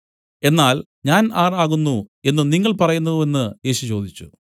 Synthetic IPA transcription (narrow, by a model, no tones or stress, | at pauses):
e̞nːaːl | ɲaːnaːraːɣunːue̞nːɨniŋːɐɭpɐrɐjunːɐðe̞nːɨje̞ːɕut͡ɕo̞ːd̪it͡ɕːu